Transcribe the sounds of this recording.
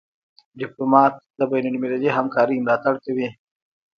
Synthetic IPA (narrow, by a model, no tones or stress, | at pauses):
ɖɪplumɑːt̪̚d̪əbajnalmelaliɦamkɑːɾimlɑːt̪aɽkawi